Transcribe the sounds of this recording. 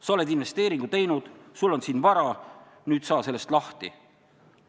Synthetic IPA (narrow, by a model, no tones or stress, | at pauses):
sɑo̞le̞d̪̥inve̞st̪e̞ːɾiŋɡ̥ut̪e̞jnud̪̥sulːo̞nsiːnvɑɾɑ | nyːt̪sɑːse̞lːe̞st̪lɑht̪ḭ